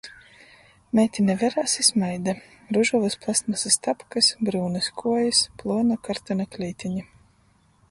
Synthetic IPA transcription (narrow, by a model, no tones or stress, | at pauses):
mʲɛt̪ʲinʲɛvʲɛɾaːsismajd̪a | ɾuʒuvɨsplˠast̪masast̪apkɨsbɾuːnɨskʰuɔjisplˠuɔnakaɾt̪anaklʲiːt̪ʰʲiɲi